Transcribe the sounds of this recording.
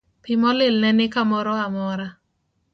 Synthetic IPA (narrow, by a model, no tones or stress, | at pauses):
pɪmɔlɪlnɛnɪkamɔɾɔamɔɾa